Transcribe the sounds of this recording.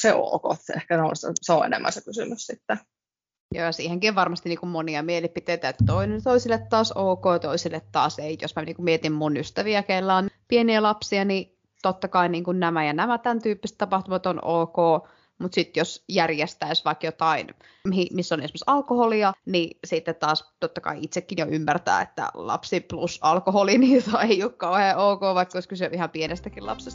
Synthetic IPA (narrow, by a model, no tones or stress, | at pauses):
seo̰ːko̰t̪ehkæneo̰lst̪seoḛnḛmːʔæ̰nsækysynyssit̪ːæ | joːjɑsiːheŋkioʋʋɑrmɑst̪iniːkummoniɑmielipit̪eit̪æet̪ːæt̪oinent̪oisilːet̪t̪ɑːsoːkoːjɑt̪oisilːet̪tɑːseijo̰smænḭːŋkumiet̪immunyst̪æʋiækeilːæːnpieniælɑpsiɑni | t̪ot̪ːɑkɑiniːŋkunnæmæjɑnæmæt̪ænt̪yːpːist̪ɑpɑht̪umɑt̪onoːkoː | mut̪sit̪josjærjest̪æisʋɑikjot̪ɑin | mhimisːonesmesɑlkoholiɑnisit̪ːet̪t̪ɑːst̪ot̪ːɑkɑ̰iit̪sekːinjoʔymːært̪æ̰ːḛt̪ːæ̰lɑ̰psiplusɑlkoholiniːt̪ɑeioːkkɑuheːoːkoːʋɑikːoskysyʔihɑmpienest̪ækilɑ̰psest̪